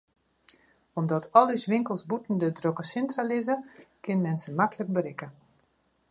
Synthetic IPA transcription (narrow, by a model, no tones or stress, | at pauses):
ɔmdɔtʰɔlˠysʋɪŋkəlˠsbutn̩dədrokəsɛntralɪzəkʰɪnmɛnsəmakələk̚bəɾɪkə